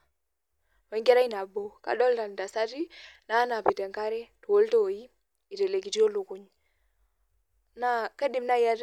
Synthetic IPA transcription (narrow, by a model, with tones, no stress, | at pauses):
we˨ŋɡe˦ɾa˦i˦na˨bo˨ka̰˨ɗɔ˦lta˨nda˨sa˦ti˦na˨˦na˨pi˨te˨ŋka˦ɾe˦tu˨wo˦lto˦˨ji˦ | i˨te˨le˨ɡi˨ti˦o˦lu˨ku˦ɲ | na˦ka˦di˨mna˦ja˦ɾ